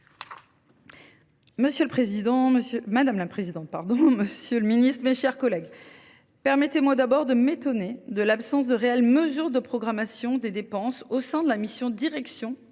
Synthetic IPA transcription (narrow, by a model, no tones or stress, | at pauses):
məsjølpχezid̪ɑ̃məsjømad̪amlapχezid̪ɑ̃t̪̚paʁd̪ɔ̃məsjøləminist̪χmɛʃɛʁkɔlɛɡ | pɛʁmɛt̪emwad̪abɔʁd̪əmet̪ɔned̪əlapsɑ̃s̬d̪əʁeɛlməzyʁd̪əpχɔɡʁamasjɔ̃d̪ed̪epɑ̃sosɛ̃d̪əlamisjɔ̃d̪iʁɛksjɔ̃